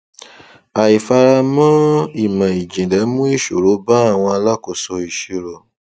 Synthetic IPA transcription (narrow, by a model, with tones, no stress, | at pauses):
a˨i˨fa˧ɾa˧mã˦i˦˨mã˨i˨d͡ʒĩ˨lɛ˨˦mũ˦i˦˨ʃo˨ɾo˨˦ba˦a˦˨w̃ɔ̃˧a˧la˦ko˨sɔ˧i˨ʃi˨ɾo˨